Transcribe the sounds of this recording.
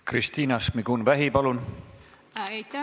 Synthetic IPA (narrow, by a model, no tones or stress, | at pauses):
krist̪iːnɑsmiɡ̥unvæɦipɑlun